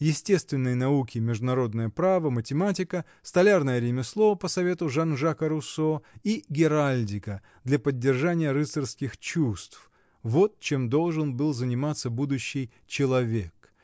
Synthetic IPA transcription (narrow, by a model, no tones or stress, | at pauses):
jɪsʲtʲe̞st̪vʲɪnːəjnɐukʲɪmʲɪʐd̪ʊnɐɾo̞d̪nəjəpɾavəmətʲɪmatʲɪkə | st̪ɐlʲarnəjəɾʲɪmʲɪslˠovəpəsɐvʲe̞t̪ʊʐanʐakəɾʊsoiɡʲɪɾalʲdʲɪkə | d̪lʲɐpədʲːɪrʐanʲɪjəɾɨsərskʲɪxt͡ɕust̪f | vo̞t̪̚t͡ɕe̞md̪o̞lˠʐɨnbɨlˠzənʲɪmat̪səbud̪ʊɕːɪj | t͡ɕɪlˠɐvʲe̞k